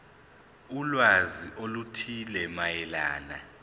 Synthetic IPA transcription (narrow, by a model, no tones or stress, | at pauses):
ulwaziʔolutʰilɛmajɛlaːna̰